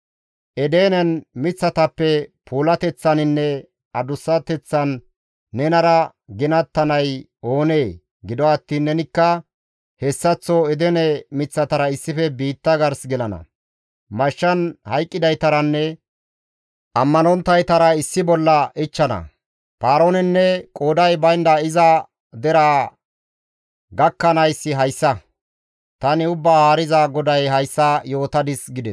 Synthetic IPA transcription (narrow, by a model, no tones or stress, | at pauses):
ʔɛd̪eːnɛnmɪt͡sːɐt̪ɐpːɛpʰuːlɐt̪ɛt͡sːɐnɪnːɛ | ɐd̪ʊsːɐt̪ɛt͡sːɐnː | ɛnɐɾɐ | ɡɪnɐt̪ːɐnɐj | o̞ːne̞ː | ɡɪd̪ɔɐt̪ːiːnːɛnɪkːɐ | hɛsːɐt͡sːɔɛd̪ɛnɛmɪt͡sːɐt̪ɐɾɐɪsːɪfɛbiːt̪ːɐɡɐɾsɡɛlɐnɐ̰ | mɐʃːɐnhɐjkʼːɪd̪ɐjt̪ɐɾɐnːɛ | ʔɐmːɐnɔnt̪ːɐjt̪ɐɾɐɪsːɪbɔlːɐʔɪt͡ʃːɐnɐ̰ | paːɾoːnɛnːɛkʼoːd̪ɐjbɐjnd̪ɐɪzɐ | d̪ɛɾaː | ɡɐkːɐnɐjsːɪɦɐjsːɐ | t̪ɐnɪʊbːaːhaːɾɪzaɡɔd̪ɐjɦɐjsːɐjo̞ːt̪ɐd̪ɪsɡɪd̪ɛs